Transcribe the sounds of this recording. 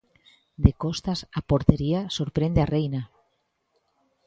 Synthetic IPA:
d̪ekost̪asapoɾt̪eɾiasoɾpɾend̪earejna

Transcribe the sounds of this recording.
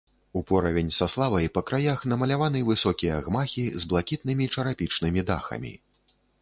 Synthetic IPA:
upɔɾɐvʲenʲsaslˠavɐjpɐkɾajaxn̪ɐmɐlʲavanɨvɨsɔkʲijɐɣmaxʲizblˠakʲit̪̚nɨmʲit͡ʂɐɾapʲit͡ʂnɨmʲid̪a̰xɐ̰mʲḭ

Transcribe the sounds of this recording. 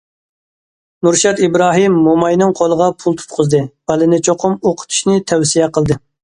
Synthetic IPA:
nuɾʃɛt̪ibɾɑːɦimːomɑjnɨŋqʰolˠəʁɑpʰulˠt̪ʰu̥p̪̚qʰʊzd̪ɨb̥ɛlɨnɪt͡ʃʰoqʰʊmoqʰə̥t̪ʰu̥ʃnɪt̪ʰɛwsijɛqəlˠd̪ɨ

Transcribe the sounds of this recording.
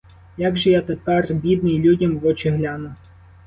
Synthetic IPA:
jaɡʒɛjat̪epɛrbʲid̪̚nɪjlʲudʲɐmʋɔt͡ʃɪɦlʲanʊ

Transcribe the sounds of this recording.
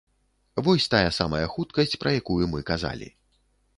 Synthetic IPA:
vɔsʲt̪ajɐsamɐjɐxut̪kɐsʲt͡sʲpɾɐjakujumɨkaza̰lʲḭ

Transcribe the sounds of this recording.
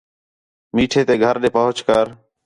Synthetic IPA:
miːʈʰeːt̪eːɡʱəɾɗeːpəɦʊt͡ʃkəɾ

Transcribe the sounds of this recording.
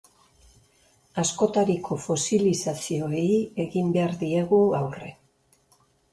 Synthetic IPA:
asko̞t̪aɾikʰo̞fo̞silisasio̞e̞ie̞ɣimbe̞aɾðie̞ɣuawre̞

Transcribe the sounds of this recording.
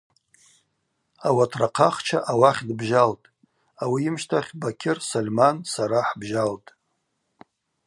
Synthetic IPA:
awatʰraqʰaχt͡ʃʰaʔawaχʲdbʒaltʼ | awiɪmʃtʰaχʲbakʲʰɪrsolʲmansaɾaħbʒaltʼ

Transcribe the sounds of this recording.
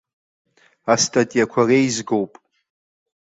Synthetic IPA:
astʰʼatʼijakʷʰarejzɡo̞wpʼ

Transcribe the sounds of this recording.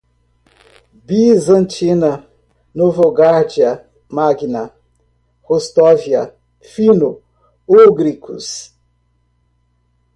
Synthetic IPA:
bizɐ̃nt͡ʃinɐ | novoɡaɾd͡ʒiɐ | maɡinɐ | host̪ɔviɐ | fino | uɡɾikʰṵs

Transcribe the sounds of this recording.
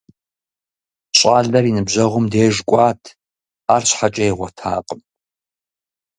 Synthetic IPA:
ɕʼaːɮɐrinɨbʑɐʁʷʊmdeːʐkʷʼɑːtʰ | aːrɕħat͡ʃʼɐjʁʷɔtʰaːqʼəm

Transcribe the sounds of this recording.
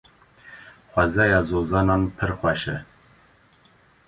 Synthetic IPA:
xʷɛzɛjɑːzoːzɑːnɑːnpʰɨɾxʷɛʃɛ̰

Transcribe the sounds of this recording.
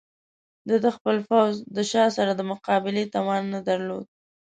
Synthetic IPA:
d̪əd̪əxpəlfawzd̪əʃɑsaɾad̪əmʊqɑbɪlet̪amɑnːad̪aɾlod̪̚

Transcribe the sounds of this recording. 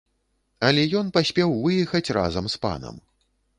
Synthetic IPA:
ɐlʲɛjɔnpasʲpʲɛwvɨjɛxɐt͡sʲra̰zɐmspa̰nɐ̰m

